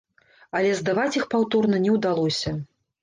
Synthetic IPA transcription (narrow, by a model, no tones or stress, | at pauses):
ɐlʲɛzd̪avat͡sʲixpawt̪ɔrnɐnʲɛwd̪alˠɔsʲɐ